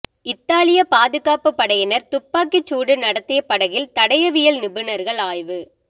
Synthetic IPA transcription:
ɪt̪ːaːlɪjɐpaːðɯɣaːpɯpːɐɽɐjɪnɐɾt̪ʊpːaːkɪt͡ʃːuːɽɯnɐɽɐt̪ːɪjɐpːɐɽɐɣɪlt̪ɐɽɐjɐʋɪjɐlnɪbɯnɐɾɣɐɭaːjʋɯ

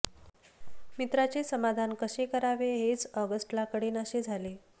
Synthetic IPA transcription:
mit̪ɾat͡ɕiːsəmad̪ʱankəɕekəɾaʋeɦet͡səɡəsʈlakəɽiːnəɕeːd͡zʱale

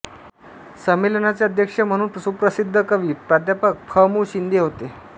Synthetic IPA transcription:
səmilənat͡seəd̪ʱjəkʂəm̤əɽ̃uːnpsupɾəsid̪ʱːəkəʋiːpɾad̪ʱjapək̚pʰəmuːɕind̪ʱeɦot̪e

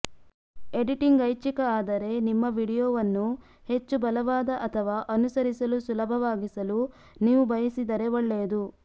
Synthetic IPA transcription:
e̞ɖiʈiŋɡɐjt͡ʃikɐaːd̪ɐɾe̞nimːɐʋiːɽijoːʋɐnːu | he̞t͡ʃːubɐlɐʋaːd̪ɐʔɐt̪ʰɐʋaːʔɐnusɐɾisɐlusulɐbʱɐʋaːɡisɐlu | niːʋubɐjɐsid̪ɐɾeʋɐɭːeːd̪u

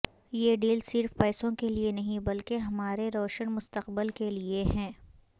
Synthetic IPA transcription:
jeːɖiːlsɪɾfpɛːsõkelienɐɦĩbɐlkeɦɐmaːɾeɾɔːʃənmʊst̪əqbəlkelieɦɛ̃ː

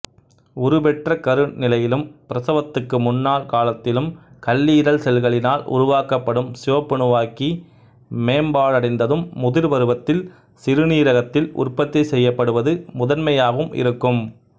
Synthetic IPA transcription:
ʊɾɯpɛʈrɐkɐɾɯnɪlɐjɪlɯmpɪɾɐsɐʋɐt̪ːɯkːɯmʊnːaːlkaːlɐt̪ːɪlɯmkɐlːiːɾɐlsɛlɣɐɭɪnaːlʔʊ̰ɾʊʋaːkɐpːɐɽɯmsɪʋɐpːɐɳɯʋaːki | meːmbaːɭɐɽɐɪnd̪ɐðɯmːʊðɪɾʋɐɾɯʋɐt̪ːɪl | sɪɾɯniːɾɐɣɐt̪ːɪlʔʊ̰rpɐt̪ːisɛjːɐpːɐɽɯʋɐðɯmʊðɐnmɐjaːɣɯmʔɪ̰ɾɯkːɯm

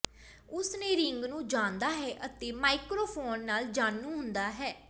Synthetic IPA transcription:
ʊsnẽːɾɪŋɡnũːd͡ʒãːnd̪aːɦɛːʔət̪eːmaːɪkɾoːpʰoːnːaːld͡ʒaːnũːɦʊnd̪aːɦɛː

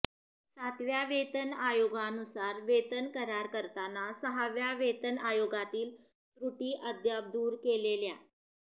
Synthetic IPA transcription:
sat̪ʋjaʋet̪ənajoɡanusaɾʋet̪ənkəɾaɾkəɾt̪anasəɦaʋjaʋet̪ənajoɡat̪iːl | t̪ɾuʈiːʔəd̪jab̚d̪uːɾkelelja

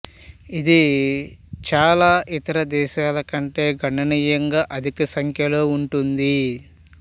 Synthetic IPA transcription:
id̪i | t͡ʃaːlaːʔit̪ɐɾɐd̪ɛːʃaːlɐkɐɳʈe̞ːɡʱɐɳɐnijɐŋɡaːʔɐd̪ʱikɐsɐŋkʰjɐloːuɳʈund̪i

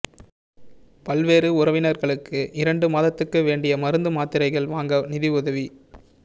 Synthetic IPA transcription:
pɐlʋeːɾɯʊrɐʋɪnɐɾɣɐɭɯkːɯʔɪɾɐɳɖɯmaːðɐt̪ːɯkːɯʋeːɳɖɪjɐmɐɾɯnd̪ɯmaːt̪ːɪɾɐɪɣɐɭʋaːŋɡɐnɪðiʊðɐʋi

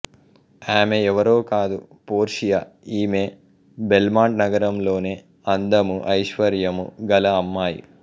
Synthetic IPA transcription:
aːmeɛʋɐɾoːkaːd̪upoːɾʂijɐ | iːmeː | belmaːɳɖnɐɡɐɾɐmlo̞ːneː | ɐnd̪ɐmuʔɐjʃʋɐɾjɐmṵɡɐlɐːmːaːjṵ

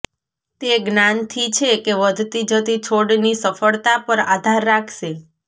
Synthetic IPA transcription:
t̪eɡnant̪ʰit͡ʃʰekeʋəd̪ʱt̪id͡ʒət̪it͡ʃʰoɽnisəfəɭt̪apəɾad̪ʱaɾːakʰʃe

